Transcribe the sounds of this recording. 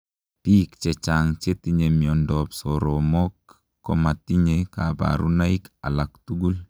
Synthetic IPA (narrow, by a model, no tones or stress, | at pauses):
tiːkt͡ʃɛt͡ʃaŋt͡ʃetiɲemiɔndɔpsɔɾɔmɔkː | ɔmatiɲeka̰ba̰ɾṵnaika̰laktuɡul